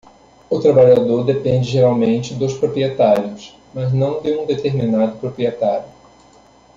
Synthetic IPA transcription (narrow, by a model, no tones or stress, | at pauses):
ʊt̪ɾabaʎad̪oɾd̪epẽnd͡ʒɪʒeɾawmẽnt͡ʃɪd̪ʊspɾopɾiet̪aɾjʊs | mɐznɐ̃w̃d̪ɪũd̪et̪eɾminad̪ʊpɾopɾiet̪aɾjʊ